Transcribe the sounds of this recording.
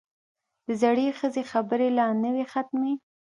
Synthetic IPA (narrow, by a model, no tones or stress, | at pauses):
d̪əzaɽexəzexabəɾelɑnəwexat̪̚me